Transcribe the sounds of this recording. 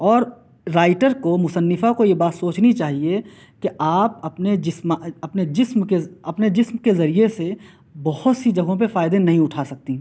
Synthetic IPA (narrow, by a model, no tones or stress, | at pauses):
ɔːɾː | aːɪʈəɾkomʊsənːɪfakojebaːt̪soːt͡ʃnit͡ʃaːɦie | keʔaːp̚ɐpned͡ʒɪsmaɐpned͡ʒɪsmkeɐpned͡ʒɪsmkezɐɾiese | bɐhʊt̪sid͡ʒɐɡõp̬efaːɪd̪enɐɦĩʊʈʰaːsɐk̚t̪ĩ